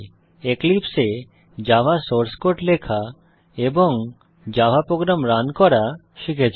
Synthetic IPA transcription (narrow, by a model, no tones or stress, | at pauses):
eklipse | d͡ʑabʱasoɾskoʈlekʰa | eboŋ | d͡ʑabʱapɾoɡɾamɾankɔɾa | ʃikʰet͡ɕʰ